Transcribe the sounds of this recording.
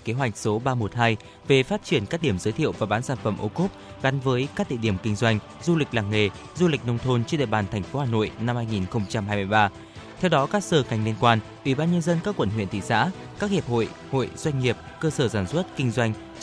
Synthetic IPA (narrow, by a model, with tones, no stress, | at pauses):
ke˨˦ɦwa˨˩jk̟̚so˨˦ɓaː˧mo˨˩t̚haː˧j | ve˨˩faː˦˥t̚t͡ɕi˧˩ənkaː˦˥k̚ɗi˧˩əmzəː˨˦jt̪ʰi˧˨ə˨wvaː˨˩ɓaː˨˦nsaː˧˩nfə˧˩mʔo˧ku˦˥p̚ | ɣa˨˦nvəː˨˦jkaː˦˥k̚ɗḭ˧˨ɗi˧˩əmkï˧ŋ̟zwa˧jŋ̟ | zu˧lï˨˩k̟̚laː˨˩ŋŋe˨˩ | zu˧lï˨˩k̟̚nə˧wŋ͡mt̪ʰo˧nt͡ɕe˧nɗ̰ɓaː˨˩nt̪ʰɛ˨˩jŋ̟fo˨˦haː˨˩no̰˧˨jna˧mhaː˧jŋi˨˩nxə˧wŋ͡mt͡ɕa˧mhaː˧jmɨ˧jɓaː˧ | t̪ʰɛ˧wɗɔ˨˦kaː˦˥k̚səː˧˩ŋa˨˩jŋ̟li˧ənkwaː˧n | ʔwi˧˩ɓaː˧nɲə˧nzə˧nkaː˦˥kwə˧˩nhwḭ˧˨ənt̪ʰḭ˧˨sa̰ː˧˥ | kaː˦˥k̚hi˨˩əp̚ho̰˧˨j | ho̰˧˨jz̥wa˧jŋ̟ŋi˨˩əp̚kəː˧səː˧˩saː˧˩nswə˦˥t̚kï˧ŋ̟zwa˧jŋ̟